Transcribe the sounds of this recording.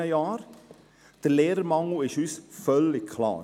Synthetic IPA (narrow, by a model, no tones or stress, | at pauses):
əjɑːɾ | d̥əleːɾəɾmɑŋl̩ɪʃhysfœlɪkkʰlɑ̰ː